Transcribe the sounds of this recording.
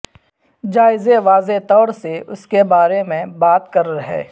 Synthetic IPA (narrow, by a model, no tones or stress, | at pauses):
d͡ʒaːɪzeʋaːzet̪ɔːɾseʊskebaːɾemẽbaːt̪kɐɾɾɐɦḛː